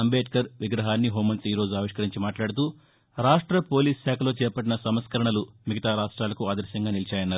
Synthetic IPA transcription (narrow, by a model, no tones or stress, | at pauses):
ɐmbeːʈkɐɾʋiɡɾɐɦaːnːiɦoːmɐnsiːɾo̞ːd͡ʒuaːʋiʂkɐɾiɲt͡ʃimaːʈlaːɽut̪uː | ɾaːʂʈɾɐpo̞ːliːsʃaːkʰɐlo̞ːt͡ʃɛːɾpɐʈinɐsɐmskɐɾɐɳɐlumiɡɐt̪aːɾaːʂʈɾaːlɐkuaːd̪ɐɾʃjɐŋɡaːnilit͡ʃaːjɐnːaːɾu